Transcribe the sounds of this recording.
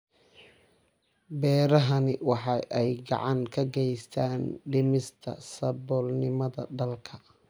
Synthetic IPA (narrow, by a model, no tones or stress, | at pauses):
bɛːɾɐɦɐnɪwɑħɑʔɛjɡɑ̰ʕɑŋkʰɐɡɛjst̪ʰaːnɖɪmɪst̪ʰɐ̰sɐbɔːlnɪmɐðɐ̰ɖɐlkʰɐ